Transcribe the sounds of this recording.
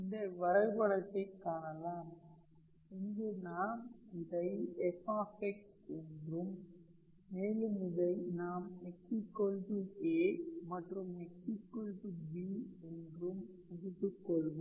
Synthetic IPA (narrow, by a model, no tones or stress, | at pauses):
ɪnd̪ɐʋɐɾɐɪbɐɭɐt̪ːɐɪkːaːɳɐlaːm | ɪŋɡenaːmɪðɐɪɛfaːfɛks | ɛndrɯmː | eːlɯmɪðɐɪnaːmɛksikːɔlbɯeːmɐʈrɯmɛksikːɔlbɯbiːɛndrɯm | ʊðɯt̪ːɯkːɔɭʋɯm